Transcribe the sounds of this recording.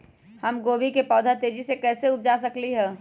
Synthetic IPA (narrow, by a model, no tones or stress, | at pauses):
hɐmɡoːbikepɔːd̪ʱat̪eːd͡ʒisekɛːseʊp̚d͡ʒasɐkliɦɛː